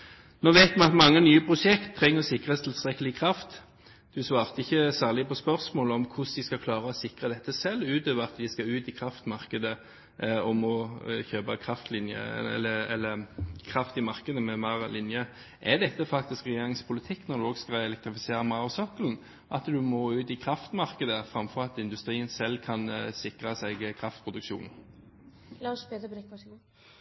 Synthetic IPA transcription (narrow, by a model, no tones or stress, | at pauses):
noːʋeɪt̪d̪mɑt̪mɑŋːənyːəpʰɾʊʂɛkt̪ʰːɾɛŋːəʁsɪkʁəst̪ʰɪlst̪ɾɛkːəlɪkʰɾɑft̪ | d̪̥ʉsʋɑːʁt̪əɪçːəsæːʁlɪpɔspœʁsmoːləɔmkʰʊsd̪ɪskɑkʰlɑːɾəɔsɪkɾəd̪ɛt̪ːəsɛlːʉːt̪øːʋəɾɑt̪d̪ɪskɑʉːt̪ɪkʰɾɑft̪mɑʁkəd̪ə | ɔmɔçøːpəkʰɾɑft̪lɪnjə̰əɛlːəkʰʁɑft̪ɪmɑʁkəd̪əmɛmɑːʁəlɪnjə | ʔɛʁd̪ɛt̪ːəfɑkt̪ɪskʁɛjeːɾɪŋspʰʊlɪt̪ʰɪkːnɔɾd̪ʉɔːɡskɑɛlɛk̚t̪ʁɪfɪseːʁəmɑːʁʊsɔkːəln̩ | ʔɑt̪d̪ʉmɔʉːt̪ɪkʰʁɑft̪mɑʁkəd̪əfʁɑmfɔʁɑt̪ɪnd̪ʉst̪ɾiːənsɛlːkʰɑnsɪkʁəsɛɡkʰʁɑft̪pʰʁʊd̪ʉkʃṵːnn̩ | lɑʃbeːd̪əbənɪkʋɑ